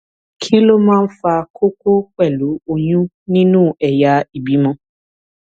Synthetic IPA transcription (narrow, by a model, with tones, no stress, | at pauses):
kʰi˦lo˦mãː˦n̩˦fa˧kʰo˦ko˦k͡pɛ˦˨lu˨˦o˦˨ɲũ˦ | nĩ˦nũː˦˨ɛ˨ja˨˦i˨bi˨˦mɔ̃˧˦